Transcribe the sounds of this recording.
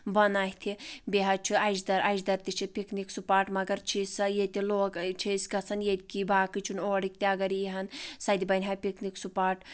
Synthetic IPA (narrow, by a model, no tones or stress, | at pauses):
bɐnaɦʲt̪ʰibeɦɐt͡ʃʰiɐjd͡ʒd̪ɐɾajd͡ʒd̪ɐɾt̪it͡ʃʰipikniksupaːʈmɐɡɐɾt͡ʃʰisɐjet̪iloːkt͡ʃʰisɡɐt͡sʰɐnjet̪ʲkibʱaːkɨt͡ʃʰunoːɽik̚t̪ʲeɐɡɐɾijiɦɐnsɐd̪ibɐnʲɦapikniksupaːʈ